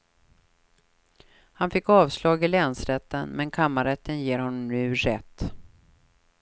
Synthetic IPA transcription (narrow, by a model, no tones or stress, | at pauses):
hanfɪkːɑːvslɑːɡɪlɛːnsɾɛt̪ːənmɛnkʰamːaɾɛt̪ːənjeːɾhɔnːɔmnʉ̟ːɾɛt̪ː